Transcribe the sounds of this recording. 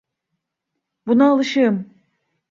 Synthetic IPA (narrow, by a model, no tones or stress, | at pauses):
bunaːlˠɯʃɯm